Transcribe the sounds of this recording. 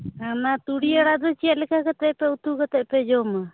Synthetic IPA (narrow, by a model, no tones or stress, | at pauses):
anat̪uɽiaɽad̪ɔt͡ʃijaʔlɛkakat̪ɛʔpɛut̪ukat̪ɛʔpɛd͡ʒɔma